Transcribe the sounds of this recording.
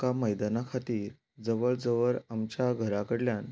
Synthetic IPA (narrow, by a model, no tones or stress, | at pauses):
kaməjd̪anakʰat̪iːɾ | d͡zəʋəɭd͡zəʋəɭamt͡ɕjaɡʱəɾakəɽljan